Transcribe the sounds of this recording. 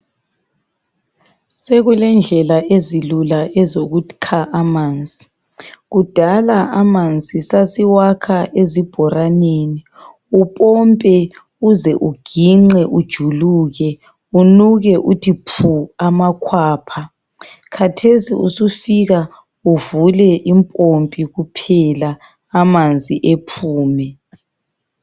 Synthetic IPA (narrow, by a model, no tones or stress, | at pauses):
seɣulɛnd͡ɮʱɛlaʔezilulaʔɛzoɣukʰaʔamaːnt͡sʼi̥ | ɣud̥ʱalaʔamand͡zʼisasiwakʰaʔezib̥ʱɔraneːni | upʼɔmpʼɛ | uzɛʔuɡ̥ʱiŋ͡ǁɛʔud̥ʒ̥ʱuluːɣɛ | unuɣɛʔutʰipʰuamakʰwaːpʰa | kʰatʰesiṵsufiɣa | uvulɛʔimpʼompʼiɣupʰɛlaː | mand͡zʱiʔepʰuːmɛ